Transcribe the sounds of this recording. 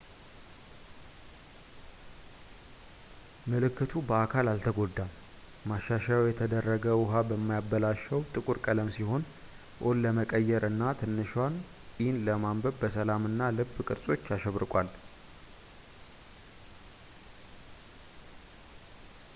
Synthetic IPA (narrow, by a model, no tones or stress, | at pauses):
məlɨkːɨt̪ʰubəakʰalalt̪ʰəɡo̞d̪ːa | maʃːaʃajjɛt̪ʰəd̪ərːəɡəwʊɦabəmːajabːəlaʃɛwt̪ʼɨkʼuɾkʼələmsiɦo̞n | ʔolːəməkʼəjːɛɾʔɨnːat̪ʰɨnːɨʃwanʼ | inləmambəβbəsəlamɨnːalɨbːkʼɨɾsʼo̞t͡ʃːaʃɛβɾɨkʼal